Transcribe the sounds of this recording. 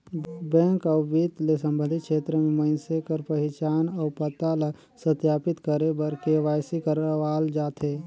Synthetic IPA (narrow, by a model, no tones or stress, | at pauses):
bɛ̃ːŋkəwbit̪lesə̃mbə̃nd̪ʱit̪̚kʃeːt̪ɾəmẽməɪnsekəɾpəɦɪt͡ʃaːnɔːpət̪ala | sət̪jaːpɪt̪kəɾebəɾkeʋaːjsikəɾʋaːld͡ʒaːt̪ɦeː